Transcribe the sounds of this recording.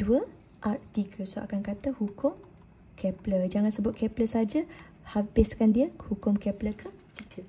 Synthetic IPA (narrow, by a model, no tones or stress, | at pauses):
d̥uə | ʔat̪iɡʰəsoʔa̰kankat̪ahukʊm | kʰɛpləd͡ʒaŋansəbʊt̪̚kɛpləsad͡ʒa | habɪskandiəhukʊmkɛpləkat̪iɡə